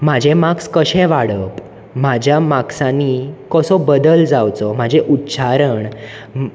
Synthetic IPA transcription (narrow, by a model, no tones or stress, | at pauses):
mad͡ʑʱemakskəɕɛ̃ʋaɽəp | m̤ad͡ʑʱjamaksãnikɔsɔbəd̪əld͡zawt͡sɔmad͡ʑʱeʔutːɕaɾəɳ